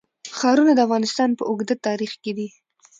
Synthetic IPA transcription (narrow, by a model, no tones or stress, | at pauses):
xɑɾunad̪əafɣɑnɪst̪ɑnpəʔʊɡd̪at̪ɑɾixked̪i